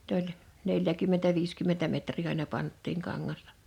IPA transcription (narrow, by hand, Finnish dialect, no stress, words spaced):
n olʲ neljækymːentæ ʋiːskymːentæ metriː ɑinɑ pɑntːiːŋ kɑŋːɑstɑ̥